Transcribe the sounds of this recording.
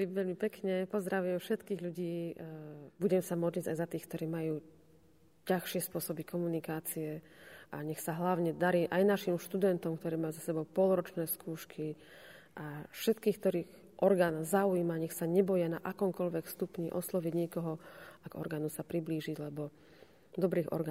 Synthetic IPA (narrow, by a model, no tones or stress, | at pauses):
iʋɛʎmipɛkɲɛpɔzd̪ɾaʋiɛmfʃɛt̪kiːɣʎuɟiː | buɟɛmsamɔd̪lʎiɟa̰jzat̪iːxkt̪ɔɾiːmajuː | caxʃɪɛspʊɔsɔbikɔmunikaːt͡siɛʔa̰ɲɛxsaɦlaʊɲɛd̪aɾiːʔajnaʃimʃt̪ud̪ɛnt̪ɔmkt̪ɔɾiːmajuzasɛbɔʊpɔlɾɔt͡ʃnɛːskʰuːʃkʰi | ʔafʃɛt̪kiːxk̚t̪ɔɾiːx | ʔɔɾɡaːnzaujiːmaɲɛxsaɲɛbɔjɛna̰ʔakɔmkɔʎʋɛkst̪upɲiʔɔslɔʋiɟɲɛkɔɦɔaɡɔ̰ɾɡaːnusapɾibliːʒiɟlɛbɔ | d̪ɔbɾiːɣɔ̰ɾɡa